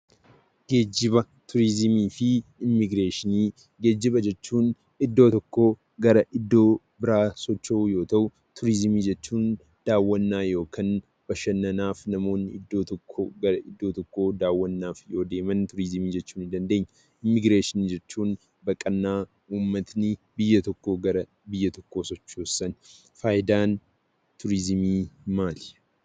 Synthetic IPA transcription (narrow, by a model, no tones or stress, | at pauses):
ɡ̥e̞ːd͡ʒːɪbɐ | t̪ʰʊɾɪzɪmiːfɪɪmːɪɡɾeːʃɪniː | ɡe̞ːd͡ʒːɪbɐd͡ʒɛt͡ʃːuːn | ɪd̪ːo̞ːt̪ɔkːo̞ː | ɡɐɾɐʔɪd̪ːo̞ː | bɪɾaːsɔt͡ʃːoʔujo̞ːt̪ɐʔʊ | t̪ʰʊɾɪzɪmiːd͡ʒɛt͡ʃːuːn | d̪̥aːwːɐnːaːjo̞ːkʰɐn | bɐʃɐnːɐnaːfnɐmo̞ːnːɪɪd̪ːo̞ːt̪ɔkʰːoɡɐɾɐʔɪd̪ːo̞ːt̪ɔkːo̞ːd̪aːwːɐnːaːfjo̞ːd̪e̞ːmɐnt̪ʊɾɪzɪmiːd͡ʒɛt͡ʃːuːnɪd̪ɐnd̪e̞ːɲː | ʔɪmːɪɡɾeːʃɪnd͡ʒɛt͡ʃːuːn | bɐkʼɐnːaː | ʔuːmːɐt̪nɪbɪjːɐt̪ɔkːo̞ːɡɐɾɐ | bɪjːɐt̪ɔkːo̞ːsɔt͡ʃːoːsːɐn | faːʔɪd̪aːn | t̪ʰʊɾɪzmiːmaːl